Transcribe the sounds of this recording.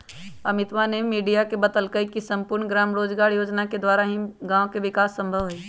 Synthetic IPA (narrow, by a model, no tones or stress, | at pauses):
ɐmɪt̪ʋanemiːɖijakebət̪əlkəikisə̃mpʊɾɳɡɾaːmɾoːd͡ʒɡaːɾjoːd͡ʒnaked̪waːɾaɦĩɡãːõkeʋɪkaːsːə̃mbʱəʋɦʊeː